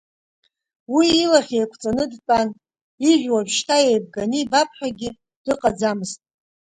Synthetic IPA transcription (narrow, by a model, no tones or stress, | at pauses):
wiːlaχʲejkʷʰʼt͡sʼanɨdt͡sʼan | iʒʷᶣwaʒʃtʰaejb̚ɡanibapʰʼħᶣaɡʲɪ | d̥ɨqʼad͡zamɨstʼ